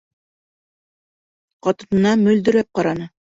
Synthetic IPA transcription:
qɑt̪ɤ̆nɤ̆nɑmɵ̆ld̪ɵ̆ɾæp̚qɑɾɑnɤ

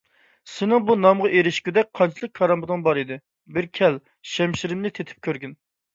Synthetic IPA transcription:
sɪnɪŋbunɑmʁɑʔeɾɪʃkʲyd̪ɛk̚ʲqʰɑnt͡ʃʰilˠək̚ʲkʰːɑɾɑmbɨd̪ɨŋbɑɾid̪ɪ | bɪɾkʲʰɛl | ʃɛmʃiɾɪmnɪt̪ʰet̪ʰɪ̥p̚kʲʰøɾɡʲyn

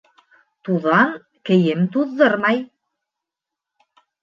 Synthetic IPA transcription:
t̪uðɑn | kɘ̆jɘmt̪uðːɤɾmɑj

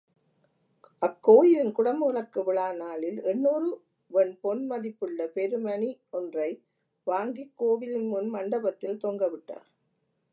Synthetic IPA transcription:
ʔɐkːoːjɪlɪnkʊɽɐmuːɭɐkːɯʋɪɭaːnaːlɪlɛnːuːɾɯ | ʋɛnpɔnmɐðɪpːɯɭːɐpɛɾɯmɐniɔndrɐɪ | ʋaːŋɡikːoːʋɪlɪnmʊnmɐɳɖɐbɐt̪ːɪlt̪oːŋɡɐʋɪʈːa̰ːɾ

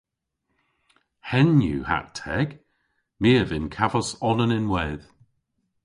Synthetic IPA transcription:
hɛnjṵːha̰tʰɛɡ̥ | miəvɪnkʰavəsɔnənɪnwɛːð̥

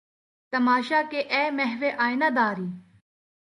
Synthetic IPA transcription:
t̪ɐmaːʃaːkeʔɛːmɛɦʋeʔaːenad̪aːɾiː

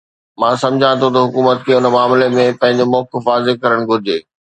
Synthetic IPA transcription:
mãːsɐ̃md͡ʑʱãt̪ʰot̪ɐɦʊkuːmət̪̚kʰeːʊnmaːmlemẽpɐ̃ɦɪ̃ɲ̆d͡ʑomɔːkɪfaːzekɐɾəɽ̃ɡʱʊɾɪd͡ʑeː

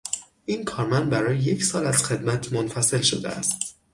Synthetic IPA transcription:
ʔiːnkʰɒːɾmænd̪̚bæɾɒːjeje̞cʰsɒːlæz̥xe̞d̪mæt̪ʰmonfæse̞lʃod̪ḛʔæ̰st̪

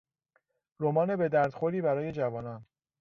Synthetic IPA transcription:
ɾomɒːne̞be̞d̪æɾd̪̥xoɾiːbæɾɒːje̞d͡ʒævɒːnɒːn

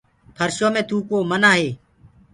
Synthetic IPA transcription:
pʰəɾʃoːmẽːt̪uːkoːmənaːɦeː

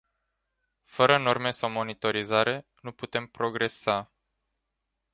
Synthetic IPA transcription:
fəɾəno̞rme̞sawmo̞nit̪o̞ɾizaɾe̞nuput̪e̞mpɾo̞ɡɾe̞sa

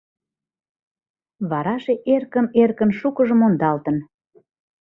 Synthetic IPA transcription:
βɑɾɑʃeʔerkəmerkənʃukəʒəmond̪ɑlt̪ə̆n

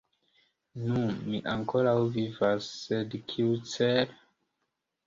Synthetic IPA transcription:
numiʔaŋkoɾawvivasːedkʰiut͡seɾ

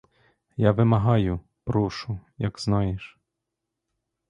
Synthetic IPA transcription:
jaʋɪmɐɦɑjʊ | pɾuʃʊjɐɡz̥nɑjiʃ

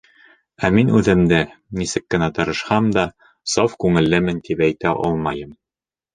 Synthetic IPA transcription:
æminʉðɘ̆md̪ɘnisɘkːɘ̆næt̪ɤ̆ɾɤ̆ʃhɑmd̪ɑ | sɑfkʉŋɘ̆lːɘmɘnt̪ipæjt̪æʔɒ̰lˠmɑjɤm

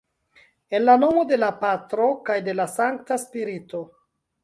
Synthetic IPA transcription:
e̞nlano̞mo̞de̞lapatɾo̞kajde̞lasaŋk̚taspiɾito̞

